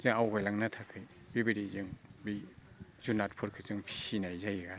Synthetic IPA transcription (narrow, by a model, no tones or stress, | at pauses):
zɯŋawɡajlaŋnatʰakʰɯj | bibiɾizɯŋbi | zunat̚pʰuɾkʰɯzɯŋpʰi̥sinajzajɡa